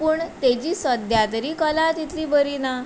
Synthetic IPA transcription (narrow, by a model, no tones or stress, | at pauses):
puːɳt̪ed͡ʑiːsəd̪jat̪əɾiːkəlat̪it̪ʰliːbəɾina